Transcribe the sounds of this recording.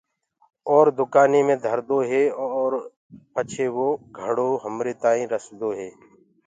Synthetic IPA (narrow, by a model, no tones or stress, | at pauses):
ɔːɾd̪ʊkaːniːmẽːd̪ʱəɾd̪oːɦeːɔːɾ | pət͡ʃʰeːʋoːɡʱəɽoːɦəmɾeːt̪aːĩːɾəsd̪oːɦeː